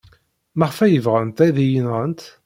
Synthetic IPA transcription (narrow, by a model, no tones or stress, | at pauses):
mæʁfæjəvʁənt̪æðijənʁənt̪